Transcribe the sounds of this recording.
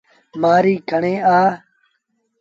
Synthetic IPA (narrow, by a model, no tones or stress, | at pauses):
maːɾiːkʰəɳẽːaː